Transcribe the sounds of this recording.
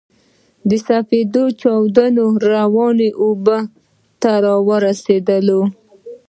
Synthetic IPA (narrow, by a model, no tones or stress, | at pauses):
d̪əsafed̪ot͡ʃɑwd̪ənoɾawɑneʔobə | t̪aɾɑwəɾased̪əlo